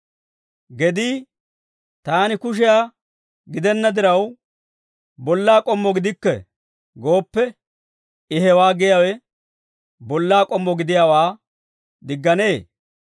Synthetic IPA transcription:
ɡɛd̪iː | t̪aːnɪkʊʃ̬ɪjaː | ɡɪd̪ɛnːɐd̪ɪɾɐw | bɔlːaːkʼɔmːɔɡɪd̪ɪkːɛ̰ | ɡo̞ːpːɛ | ɪɦɛwaːɡɪjawɛ | bɔlːaːkʼɔmːɔɡɪd̪ɪjaːwaː | d̪ɪɡːɐne̞ː

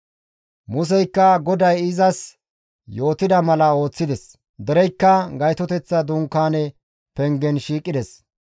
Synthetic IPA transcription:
mʊs̬ɛjkːɐɡɔd̪ɐjɪzɐs | jo̞ːt̪ɪd̪ɐmɐlɐo̞ːt͡sːɪd̪ɛs | d̪ɛɾɛjkːɐɡɐjt̪ɔt̪ɛt͡sːɐd̪uŋkːaːnɛ | pɛŋɡɛnʃiːkʼːɪd̪ɛs

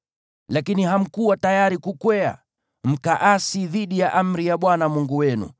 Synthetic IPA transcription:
lakiniɦam̩kuwatajaɾikukwɛa̰ | m̩kaʔasiðiɗijaʔam̩ɾijaɓwanamuŋɡuwɛnṵ

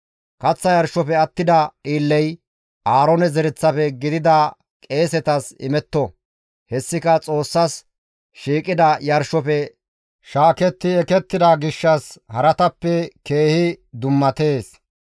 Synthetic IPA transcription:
kɐt͡sːɐjɐɾʃɔpɛɐt̪ːɪd̪ɐiːlːɛj | ʔaːɾɔnɛzɛɾɛt͡sːɐpɛɡɪd̪ɪd̪ɐ | kʼe̞ːsɛt̪ɐsɪ̰mɛt̪ːɔ | hɛsːɪkɐt͡sʼo̞ːsːɐs | ʃiːkʼɪd̪ɐjɐɾʃɔpɛ | ʃaːkɛt̪ːɪɛkɛt̪ːɪd̪ɐɡɪʃːɐshɐɾɐt̪ɐpːɛke̞ːhɪd̪ʊmːɐt̪e̞ːs

